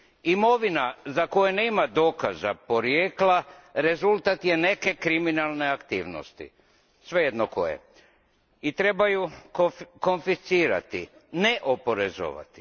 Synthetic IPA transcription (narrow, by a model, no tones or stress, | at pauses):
imo̞ʋinazako̞jene̞ːmad̪o̞kaza̰po̞ɾjeːklaɾe̞zult̪at̪je̞ne̞ke̞kɾiminalˠne̞akt̪iːʋno̰st̪ḭ | sʋejed̪noko̰jḛ | it̪ɾe̞baju | ko̞nfisiːɾa̰t̪i | neʔopoɾezo̰ʋa̰t̪i̥